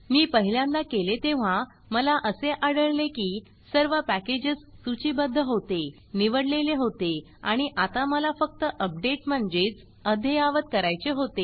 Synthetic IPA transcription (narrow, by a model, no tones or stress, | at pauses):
miːpəɦiljãnd̪akelet̪eʋ̤a | məlaʔəseʔaɽəɭlekiː | səɾʋəpæked͡ʑəsːut͡ɕibəd̪ʱːəɦot̪e | niʋəɽleleɦot̪e | aɽ̃iʔat̪aməlafək̚t̪əʔəp̚ɖeʈm̤əɳd͡zet͡s | əd̪ʱeaʋət̪kəɾajt͡seɦot̪e